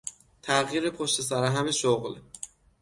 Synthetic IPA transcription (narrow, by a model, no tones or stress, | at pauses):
t̪ʰæɣjiːɾepʰoʃt̪e̞s̬æɾæɦæmeʃoɣl